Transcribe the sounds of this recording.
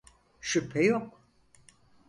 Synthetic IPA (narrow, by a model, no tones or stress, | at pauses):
ʃypʰːɛjok